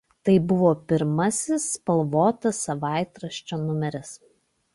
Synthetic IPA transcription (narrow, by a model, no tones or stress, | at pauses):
t̪ɐɪbʊʋoːpʲɪɾmɐsʲɪspɐlˠʋoːt̪ɐsɐʋɑˑɪt̪ɾɐʃʲt͡ʃʲoːnʊmʲɛɾʲɪs